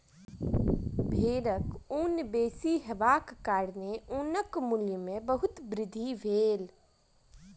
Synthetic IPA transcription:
bʱeːɾəkuːnbeːsiɦəʋaːkːaːɽneuːnəkmʊljmẽbəɦʊt̪bɾɪd̪ʱiʋʱeːl

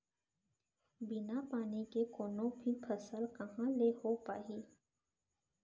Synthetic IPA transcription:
bɪnapaːnikekoːnõbʱipʰɐsəlkɐɦãlehopaːɦiː

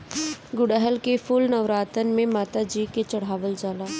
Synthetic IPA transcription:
ɡʊɽəɦəlkefulnɐʋɾaːt̪ənmẽmaːt̪ad͡ʒiːket͡ʃɐɽ̤aːʋəld͡ʒaːlaː

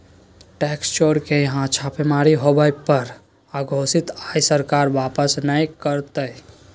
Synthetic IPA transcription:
ʈɛkst͡ʃoɾkejəɦãt͡ʃʰapemaɾiɦobəjpəɾ | aɡʱosit̪ajsəɾkaɾʋapəsnəjkəɾt̪əj

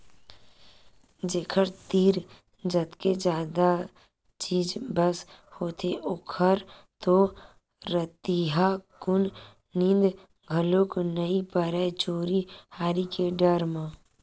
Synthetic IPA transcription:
d͡ʒeːkʰəɾt̪iːɾ | d͡ʒət̪ked͡ʒaːd̪a | t͡ʃiːd͡ʒbəshoːt̪ʰeʔʊkʰəɾ | t̪o | ɾət̪iɦakʊn | nĩnd̪ | ɡʱəloknəipəɾat͡ʃoːɾihaːɾikeɖəɾmãː

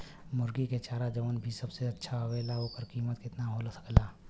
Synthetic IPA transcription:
mʊɾɡiket͡ʃaːɾad͡ʒɐʋənbʱisɐbseɐtːʃʰaɐʋeːlaokəɾkiːmət̪kɪt̪naɦolsə̥klaː

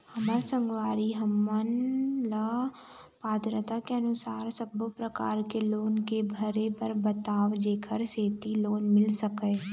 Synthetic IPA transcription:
hɐməɾsə̃ŋɡwaːɾiɦəmːənla | paːd̪ɾət̪akeɐnʊsaːɾsəbopɾəkaːɾkeloːnkebʱəɾepəɾbət̪aːʋd͡ʒeːkʰəɾseːt̪iloːnmɪlsəkə

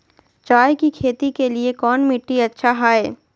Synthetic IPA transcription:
t͡ʃaːjkikʰeːt̪ikeliekɔːnmɪʈːiɐtːʃʰaɦaːeː

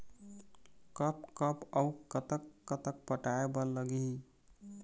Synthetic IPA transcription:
kəpkəpəukət̪əkːət̪ək̚pəʈaebələɡi

